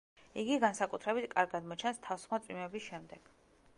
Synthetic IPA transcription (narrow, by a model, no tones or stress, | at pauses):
iɡiɡansakʼut̪ʰɾɛbit̪ʰkʼaɾɡad̪mɔt͡ʃʰɛnst̪ʰafsχmat̪sʼimɛbisʃɛmd̪ɛɡ̥